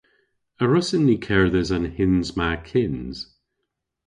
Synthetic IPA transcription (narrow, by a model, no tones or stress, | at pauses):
əɹɔsɪnːikʰɛɹðəzə̃nhɪnzmakʰɪnz̥